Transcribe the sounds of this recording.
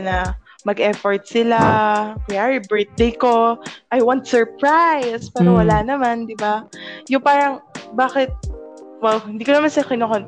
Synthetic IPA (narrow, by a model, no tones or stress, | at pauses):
nɐ | mɐɡʔɛfoɹt̪̚sɪlapɪaɹɪbɛɹt̪̚d̪ejko̞ʔɐjwant̪̚sɛɹpɹajspɛːɾowɐlanɐmand̪ɪbajʊŋpaːɾɐŋbaːkɪt̪̚wɛlhɪnd̪iːkonɐmansɐkɪnokon